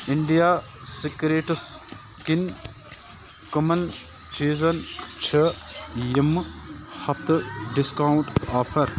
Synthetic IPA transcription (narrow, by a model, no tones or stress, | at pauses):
iɳɖijaː | sikɾeːʈs | kin | kɐmɐnt͡ʃiːzɐnt͡ʃʰɐjimhɐp̚t̪ʰɖiskaːwɳʈaːpʰɐɾ